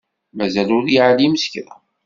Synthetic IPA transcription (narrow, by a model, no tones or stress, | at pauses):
mæzælʊɾjiʕaliməsçɾæ̰